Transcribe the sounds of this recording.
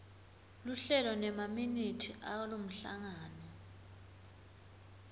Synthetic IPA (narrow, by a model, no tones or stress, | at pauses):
luɬɛlɔnɛmaminitʰiʔawlom̩ɬa̰ŋaːnɔ